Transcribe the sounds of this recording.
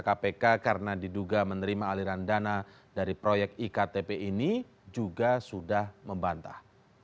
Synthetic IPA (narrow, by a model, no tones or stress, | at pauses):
kapekakaɾənadiduɡamənəɾimaːliɾandana | daɾipɾojɛk̪̚ikat̪epeini | d͡ʒuɡasudahməmbant̪a̰h